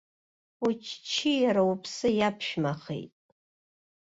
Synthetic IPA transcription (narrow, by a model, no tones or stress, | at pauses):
ut͡ʃʰt͡ʃʰijaɾaupʰsɨjapʰʃmaχḛjtʼ